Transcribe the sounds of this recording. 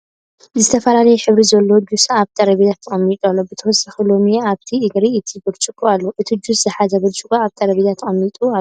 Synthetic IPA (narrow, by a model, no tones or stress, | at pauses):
zɨt̪ʰɐfɐlalɐjɛħɨβɾizɐlːod͡ʒusaːβt̪ʰɐɾɐβid̪at̪ʰːɐχʼɐmːit̪ʼalːobɨt̪ʰɐwɔsaxulo̞mijaβt̪ʰiɨɡɾiɨt̪ʰibɨɾt͡ʃʼɨkʼualːoʔɨt̪ʰid͡ʒuszɨħazɐbɐlt͡ʃʼɨkʼuaβt̪ʰʼɐɾɐβid̪at̪ʰːɐɐmːit̪ʼua